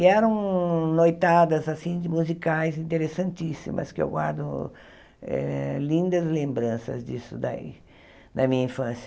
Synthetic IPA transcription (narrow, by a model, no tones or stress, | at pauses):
kɪɛɾɐ̃w̃nojt̪ad̪ɐzasĩd͡ʒ̪ɪmuzikajzĩnt̪eɾesɐ̃nt̪isḭmɐ̰skɪḛwɡwaɾd̪ʊ | ɛ̰lĩnd̪ɐzlẽmbɾɐ̃sɐ̰zd͡ʒ̪isʊd̪aḭ | nɐmĩɲɐĩfɐ̃sjɐ